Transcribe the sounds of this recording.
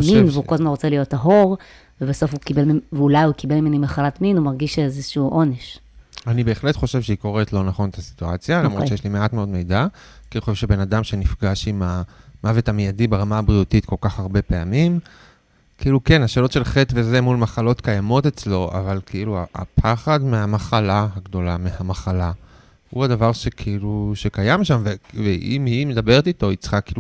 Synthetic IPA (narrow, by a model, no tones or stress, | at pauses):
minveuolzmanʁot͡selijo̞taɦo̞ʁ | vebaso̞fukibelvulajukibelmimenimeχalatminumaʁɡiʃezeʃuʔo̞neʃ | anibe̞ːχle̞tχo̞ʃe̞vʃeiko̞ʁetlo̞naχo̞ntasi̥t̪uat͡sjaɡamʁoʃejeʃlimeatmeo̞dme̞jda | kiilχoʃevʃebe̞nadamʃe̞nifɡaʃimamavetamijadibeʁamaːbʁijutitko̞lkaχaʁbe̞peamim | kʰiʔiluke̞naʃeːlo̞tʃe̞lχetveze̞mulmaχalo̞t̪kajamo̞t̪e̞t͡slo̞ʔa̰valkʰeiluaʔa̰pʰaχadmeamaχalahaɡd̪o̞lamehamaχala | huadavaʁʃe̞kʰiiluʃe̞kajamʃamveveʔimhime̞d̪abe̞ʁet̪it̪o̞it͡sχakilu